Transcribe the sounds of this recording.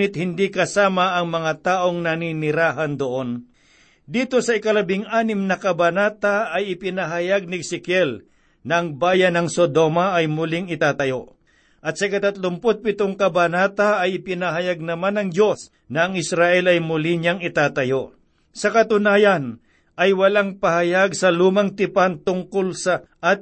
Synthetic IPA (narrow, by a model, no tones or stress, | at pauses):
ɪt̪̚hɪnd̪ikɐsaːmɐʔɐŋmɐŋat̪aːʔoŋnɐninɪɾaːɦɐnd̪oʔon | d̪iːt̪o̞sɐɪkɐlɐbɪŋʔaːnɪmnɐkɐbanaːt̪aːjɪpɪnaɦɐjaɡ̚nɪɡsɪkjɛl | nɐʔɐŋbaːjɐnɐŋsod̪omaʔːjmʊlɪŋɪt̪aːt̪ɐjo̞ | ʔɐt̪̚sɐkɐt̪ɐt̪lʊmpot̪̚pɪt̪oŋkɐbanaːt̪aːjɪpɪnaɦɐjaɡ̚nɐmanɐŋd͡ʒo̞s | nɐːŋɪsɾaʔɛlɐjmʊlɪɲaŋɪt̪aːt̪ɐjo | sɐkɐt̪ʊnaːjɐn | ʔɐjwɐlaŋpɐhɐjaɡ̚sɐluːmɐŋt̪ɪpant̪ʊŋkolsɐʔːt̪̚